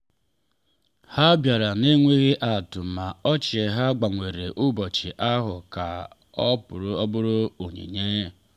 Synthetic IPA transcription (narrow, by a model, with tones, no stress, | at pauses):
ha˦bja˨ɾa˨ne˦ŋʷe˦ɣɪ˦ʔa˨tʊ˨ma˨ɔ˦t͡ʃɪ˨e˨ɦa˦ɡ͡ba˨ŋʷe˨ɾe˨ʔʊ˦bɔ˨t͡ʃɪ˨ʔa˦ɦʊ˨ka̰˨ | ɔ˦pʊ˨ɾɔ˦bʊ˦ɾʊ˦o˨ɲḛ˨ɲe˦